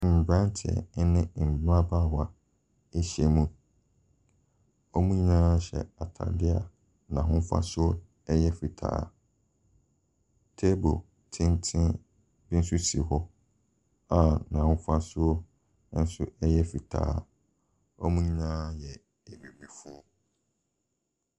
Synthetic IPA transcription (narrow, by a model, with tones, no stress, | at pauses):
m̩˨bɾã˦n˦tʰɪ˨ɛ̰˨˦nɪ̃˦˨m̩˨bɪ˦a˦ba˦˨ha˨ | e˦ɕɛ˨mũ˦ | o˦mũ˦ɲ˦nãː˦ɕɛ̰˨a˨tʰa̰˨dɪ˦a˦ | nã̰˨ɦʊ̃˦fa̰˦sʊ˦o˦ | ɛ˦jɛ˦fi˨tʰa̰ː˨˦˨ | tʰe˦bo̰˨ | tʰɪ̃˦n˦tʰɪ̃˦ | bɪ˦n̩˦sʊ˦si˨hɔ˦ | ã˨nã˨hʊ̃˦fa˦sʊ˦o˦ | n̩˦sʊ˦ɛ˦jɛ˦fi˨tʰa̰ː˨˦ | ɔ˦mũ˦ɲ˦nãː˦jɛ˨ | e˨mĩ˨mĩ˨fu˦o˦